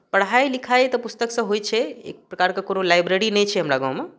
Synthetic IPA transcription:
pɐɽ̤aelɪkʰajet̪ɐpʊst̪əksãɦoit͡ʃʰeḛk̚pɾɐkaɾkakoːnolaːjbɾeɾinɐĩt͡ʃʰeɦɐmɾaɡã̰ːw̃mã

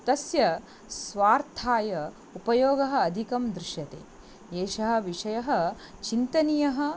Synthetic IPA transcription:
t̪ɐsjɐ | sʋaːɾt̪ʰaːjɐ | upɐjoːɡɐɦɐ̆ːd̪ʱikɐmd̪ɾɪʃjɐt̪ḛː | eːʃɐɦɐ̆ʋiʂɐjɐɦɐ̆ | t͡ʃint̪ɐnijɐɦɐ̆

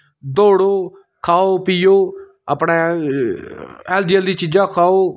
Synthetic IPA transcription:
d̪oːɽoː | kʰaːoːpɪjoː | əpɳẽː | ɛːldijəld̪iːt͡ʃid͡ʒãːkʰaːoː

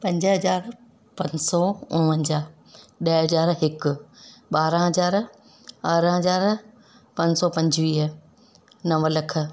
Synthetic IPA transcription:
pɐ̃ɲd͡ʑəɦɐzaːɾ | pɐ̃ɲsɔʊ̃ʋə̃ɲd͡ʑaː | ɗɐɦɐzaːɾɦɪkʊ̆ɓaːɾɦɐzaːɾ | ɐɾɦɐzaːɾ | pɐ̃ɲsɔpɐ̃ɲd͡ʑʋiːɦ | nɐʋlɐkʰə̆

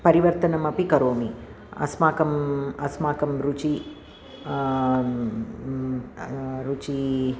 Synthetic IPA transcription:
pɐɾiʋɐɾt̪ɐnɐmɐpikɐɾoːmi | ɐ̰smaːkɐmɐsmaːkɐmɾut͡ʃi | ɾut͡ʃi

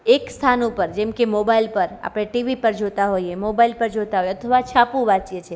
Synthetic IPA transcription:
ekst̪ʰanopəɾd͡ʒɛmkemobailpəɾa̰pɽ̃eʈiʋipəɾd͡ʒot̪aɦojemobailpəɾd͡ʒot̪aɦojeət̪ʰəʋat͡ʃʰapũʋat͡ʃjet͡ʃʰe

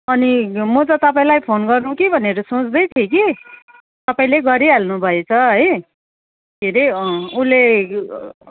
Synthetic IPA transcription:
ʌnimʌt͡sʌ̃t̪ʌpaĩlajpʰonɡʌrnukibʱʌneɾʌsõt͡sd̪ʌjt̪ʰjeki | t̪ʌpaĩleɡʌɾialnubʱʌet͡sʰʌɦʌj | dʱeɾʌule

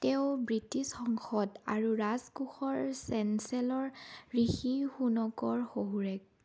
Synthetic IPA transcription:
tɛʊbɹitisxɔŋxɔda̰ɹuɹazkuxɔɹsɛnsɛlɔɹɹixixunɔkɔɹxoɦuɹɛk̚

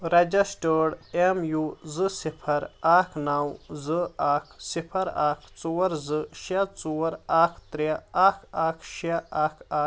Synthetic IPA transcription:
ɾɐd͡ʒɐsʈəɽemjuzɨsipʰɐɾaːkʰnawzɨaːkʰsipʰɐɾaːkʰt͡suɐɾzɨʃat͡suːɐɾaːkʰt̪ɾeaːkʰaːkʰʃaaːkʰaː

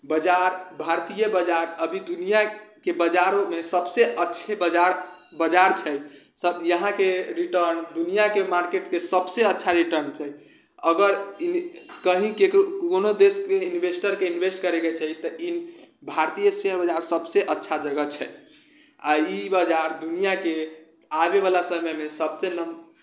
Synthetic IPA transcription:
bəd͡ʒaɾbʱaɾt̪ijəbəd͡ʒaɾəbʱid̪unijakebəd͡ʒaɾomesəbseʔətːʃʰebəd͡ʒaɾ | bəd͡ʒaɾt͡ʃʰɛj | səbjəɦãkeɾiʈəɾnd̪unijakemaɾkeʈkesəbseətːʃʰaɾiʈəɾnt͡ʃʰɛj | əɡəɾikəɦĩkekkonod̪eskeinbʱesʈəɾkeinbʱesʈkəɾeɡɛt͡ʃʰɛt̪əʔinbʱaɾt̪ijəseɦəɾbəd͡ʒaɾsəbseʔətːʃʰad͡ʒəɡət͡ʃʰɛ | aibəd͡ʒaɾd̪unijake | abeβalasəməjmesəbsenə

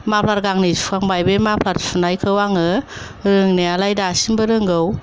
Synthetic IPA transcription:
mapʰlat̚ɡaŋnisu̥kaŋbajbemapʰlatpʰunajkʰɯwaŋɯ | ɾɯŋnialajdasimbɯɾɯŋɡɯw

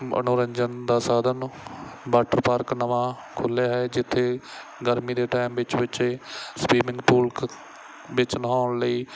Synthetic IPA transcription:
ə̰nʊːɾəɲd͡ʒənd̪aːsaːd̪ənbaːʈəɾpaːɾknəʋãː | kʰʊljaːɦɛːd͡ʒɪt̪ʰːeː | ɡəɾmiːd̪eːʈaːimʋɪt͡ʃʋɪt͡ʃːspiːmɪ̃ŋɡpʊːlk | ʋɪt͡ʃnəɦaːɳləiː

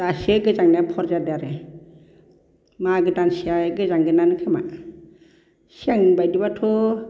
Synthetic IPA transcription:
daseɡɯzaŋnapʰɔɾd͡ʒadaɾe | maɡɯtansiaɡɯzaŋɡɯnanɯkʰema̰ | siaŋbajdibatʰɔ

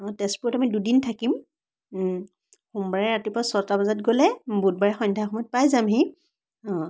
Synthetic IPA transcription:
ɔ̃tɛspuɹtamidudintʰakim | xumbaɹɛɹatipɔasɔɹtabazatɡolɛbud̚baɹɛxɔndʱaxɔmɔjt̚pajzamɦi | ɔ̃

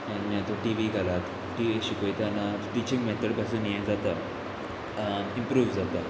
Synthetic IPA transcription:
anmjat̪oʈiʋiɡalat̪ | ʈiʋiɕikoit̪anaʈit͡ɕĩŋɡmɛt̪ʰəɽpas̬uːnjed͡zat̪a | ĩmpɾuːʋd͡zat̪a

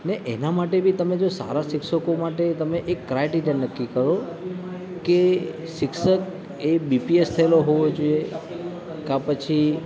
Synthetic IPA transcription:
neʔenamaʈebʱit̪əmed͡ʒosa̰ɾaʃɪkʃəkomaʈet̪əmeʔekːɾajʈiɾijənnəkːikəɾo | ke | ʃɪkʃək | ebipiest̪ʰəeloɦoʋod͡ʒoije | kapət͡ʃʰi

